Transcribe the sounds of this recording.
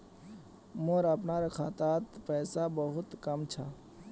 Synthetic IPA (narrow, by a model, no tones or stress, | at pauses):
moːɾəpnaɾəkʰaːt̪aːt̪pɛːsabəɦʊt̪kəmt͡ʃʰa